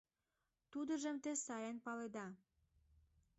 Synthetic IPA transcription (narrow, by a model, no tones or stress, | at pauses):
t̪ud̪əʒəmt̪esɑjənpɑled̪ɑ